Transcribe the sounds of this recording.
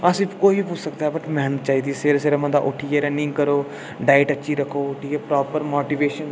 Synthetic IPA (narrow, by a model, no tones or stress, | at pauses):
əsĩːkoːipuːt͡ʃʰsəkd̪aːɦɛːbəʈmɛːnət̪t͡ʃaːiːd̪iːseɾseːɾemə̃nd̪a̰ːʔʊʈʰieːɾɛ̃ːnɪ̃ːkəɾoː | ɖaːɪʈəːʃʰiːɾəkʰːoːʊʈʰiːjeːpɾɔːpəɾmoːʈiːʋeːʃən